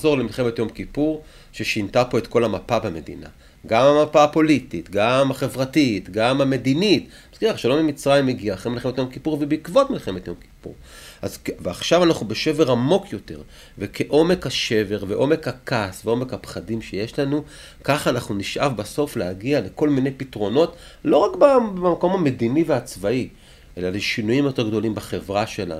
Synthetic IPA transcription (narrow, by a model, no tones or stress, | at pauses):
zo̞ʁlemilχe̞me̞tjo̞mkipuʁ | ʃeʃintapo̞e̞tko̞lamapabeme̞dḭna̰ | ɡamamapapo̞lititɡamaχe̞vʁatitɡamame̞dinit | askiʁaχʃalomemit͡sʁajimeɡiaχemilχemet̪jo̞mkipuʁvebeikvo̞tmilχe̞me̞t̪jo̞mki̥pṵʁa̰zveaχʃavanaχnube̞ʃe̞veʁamo̞kʰjo̞teʁ | vekʰe̞ʔo̞me̞khaʃe̞ve̞ʁveʔo̞me̞khakasveo̞me̞khapχadimʃeje̞ʃlanu | kaχanaχnuniʃʔavbaso̞flehaɡiale̞ko̞lmine̞jpitʁo̞no̞t | lo̞ʁakbaamako̞mhame̞d̪iniveaːt͡svai | ʔe̞laleʃinujimjote̞ɡd̪o̞limbaχevʁaʃe̞la̰n